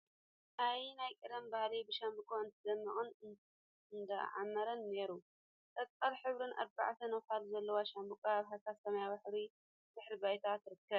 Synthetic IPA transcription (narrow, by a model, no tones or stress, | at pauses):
ʔajnajkʼɨɾɐmbahlibɨʃambɨkʼoɨnt̪ʰɨd̪ɐmːɨχʼɨn | ɨnd̪ɐ̰ʕa̰mːɐɾɐnːe̞ɾu | t̪ʼɐktʼɐɾħɨβɾɨnʔa̰ɾba̰ʕt̪ʰɐnɐwfalzɐlːɐwaʃambɨkʼaaβɦasat̪sɐmɐjabaħɾi | bɨħɾibajt̪ʰat̪ɾɨkːɐβ